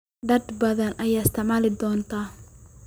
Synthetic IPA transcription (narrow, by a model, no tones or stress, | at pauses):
ɖɐd̪bɐðɐnʔɐjaːɪst̪ʰɪʕmaːlɪd̪ɔːnt̪ʰa